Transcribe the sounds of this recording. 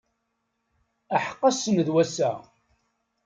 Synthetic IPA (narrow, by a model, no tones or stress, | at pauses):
əħə̥qːɑsənðwæsæ̰